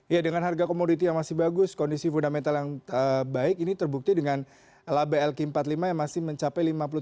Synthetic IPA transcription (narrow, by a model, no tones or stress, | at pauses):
jadəŋanɦarɡakomodit̪̬ijaŋmasɪhbaɡʊskɔndisifundamɛnt̪aljaŋəbaɪkinit̪ərbuk̚t̪idəŋan | labeɛlkimpat̪limajaŋmasɪhməɲt͡ʃapajlimap̬ulu